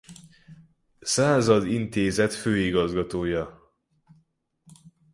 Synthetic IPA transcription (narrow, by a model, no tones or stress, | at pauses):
saːzɒd̪int̪eːzɛt̪føːiɡɒzɡɒt̪oːjɒ